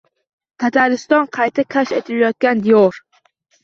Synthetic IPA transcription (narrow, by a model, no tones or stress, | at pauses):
kʰat̪ʰaɾɪst̪ɒnqʰɑjt̪ʰakʲʰaʃajt̪ʰɪlajɒt̪̚ɡʲand̪ijoɾ